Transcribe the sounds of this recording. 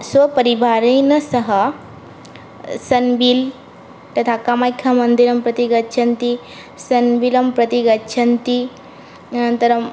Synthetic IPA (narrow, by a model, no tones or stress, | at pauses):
sʋɐpəɾibʱaɾinɐsəɦə | sɐnbil | t̪ɐt̪ʰakamajkʰjamənd̪iɾɐmpɾɐt̪iɡɐtːt͡ʃʰɐnt̪i | sənbilɐmpɾɐt̪iɡɐtːt͡ʃʰɐnt̪i | ənt̪ɐɾ